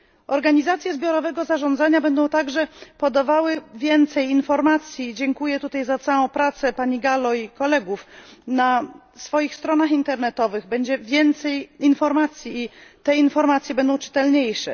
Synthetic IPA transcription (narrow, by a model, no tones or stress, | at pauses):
ɔɾɡaɲizat̪sʲjɛzbʲjɔɾɔvɛɡɔzaʐɔ̃nd̪zaɲabɛnd̪ɔ̃w̃t̪aɡʐɛpɔd̪avawɘvʲjɛnt̪sɛjinfɔɾmat̪sʲjid͡ʑɛŋkujɛt̪ut̪ajzat̪sawɔ̃w̃pɾat̪sɛpaɲiɡalɔikɔlɛɡufna | sfɔjixst̪ɾɔnaxint̪ɛɾnɛt̪ɔvɘɣbɛɲd͡ʑɛvʲjɛnt̪sɛjinfɔɾmat̪sʲjiːt̪ɛinfɔɾmat̪sʲjɛbɛnd̪ɔ̃w̃t͡ʂɘ̥t̪ɛlɲejʂɛ̰